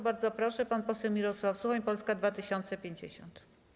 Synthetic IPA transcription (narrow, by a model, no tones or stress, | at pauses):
baɾd̪zɔpɾɔʂɛpanpɔsɛwmʲiɾɔswafsuxaɲpɔlskad̪vat̪ɘɕɔnt̪sɛpʲjeɲd͡ʑḛɕɔ̰nt̪